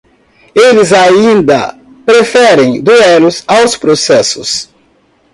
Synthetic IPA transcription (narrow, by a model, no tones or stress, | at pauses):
elɪzaĩnd̪ɐ̰ | pɾefɛɾẽj̃d̪uɛlʊzawspɾosɛsʊs